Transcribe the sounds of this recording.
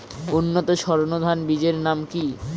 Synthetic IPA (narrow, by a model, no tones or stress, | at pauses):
unːot̪oʃɔɾonod̪ʱanbid͡ʑeɾnamki